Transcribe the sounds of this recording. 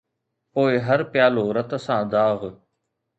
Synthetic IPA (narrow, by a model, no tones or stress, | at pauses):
poːɪɦɐɾpɪjaːloːɾɐt̪əsãːd̪aːɣ